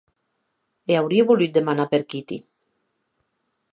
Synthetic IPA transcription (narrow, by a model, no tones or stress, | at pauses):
eawɾieβulyt̪̚d̪emanapeɾkit̪ḭ